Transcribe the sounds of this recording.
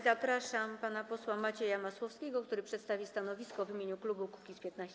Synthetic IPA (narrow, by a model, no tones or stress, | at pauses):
zapɾaʂampanapɔswamat͡ɕejamaswɔfskʲɛɡɔkt̪uɾɘpʂɛt̪st̪avʲist̪anɔvʲiskɔvimʲeɲuklubuku̥kʲispʲjɛt̪naɕ